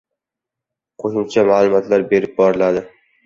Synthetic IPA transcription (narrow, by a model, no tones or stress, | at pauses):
qʰoʃʊmt͡ʃʰamaːlˠʊmɒt̪laɾbe̞ɾɪp̚bɒɾɪlad̪ɪ